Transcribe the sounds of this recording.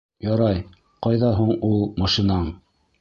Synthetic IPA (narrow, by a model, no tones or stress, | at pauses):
jɑɾɑj | qɑjðɑɦuɴulˠmɑʃinɑɴ